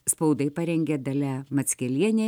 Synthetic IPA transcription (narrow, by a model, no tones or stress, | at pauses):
spɐʊd̪ɐɪpɐɾʲɛŋʲɡʲɛd̪ɐlʲæmɐt̪sʲkʲɛlʲiɛnʲe